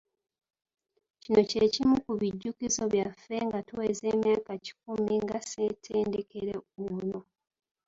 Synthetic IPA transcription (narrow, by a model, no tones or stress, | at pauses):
cino̞ce̞cimukuβiɟːukizo̞βjafe̞ŋɡatuwe̞ːze̞ːmjaːkaci̥k̚umiŋɡase̞tʰeːnde̞ke̞ɾeuno̞